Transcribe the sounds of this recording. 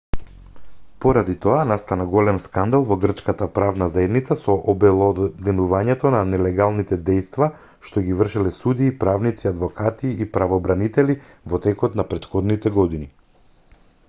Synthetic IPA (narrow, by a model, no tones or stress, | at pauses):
poɾad̪it̪ɔanast̪anaɡɔlɛmskand̪alˠvɔɡr̩t͡ʃkat̪apɾavnazaɛd̪nit̪sasɔʔɔbɛlˠɔd̪ɛnuvaɲɛt̪ɔnanɛlɛɡalˠnit̪ɛd̪ɛjst̪va | ʃt̪oɡivər̩ʃilɛsud̪iːpɾavnit̪siad̪vɔkʰat̪iːpɾavɔbɾanit̪ɛli | vɔt̪ɛkɔt̪napɾɛt̪xɔd̪nit̪ɛɡɔd̪ini